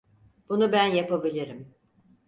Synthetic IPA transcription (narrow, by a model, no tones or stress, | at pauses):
b̥unubænjapabilʲiɾim